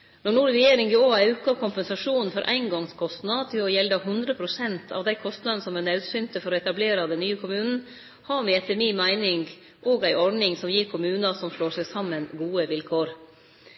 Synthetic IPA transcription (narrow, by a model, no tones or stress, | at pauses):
nɔɳuːɾɾɛjeːɾɪŋɡɪoːæʉːkɑkʰʊmpɛnsɑʂuːnn̩fɔɾʔæ̰ɪnɡɔŋskʰɔst̪nɑt̪ʰɪlɔjɛld̪ɑhʉnd̪ɾəpʰɾʊsɛnt̪ʰɑ̰ʋd̪æɪkʰɔst̪nɑd̪nəsɔmænɑʉd̪sʏnt̪əfɔɾɔɛt̪ɑbleːɾɑd̪ɛnːyːəkʰʊmʉːnn̩ | hɑɾmɛɛt̪ːəɾmɪːmæɪnɪŋɡ | ʔoːɡæɪʔɔɾɳɪŋsɔmjiːɾkʰʊmʉːnɑsɔmʂɭoːʂæɡsɑmːənɡuːəʋɪlkʰoːɾ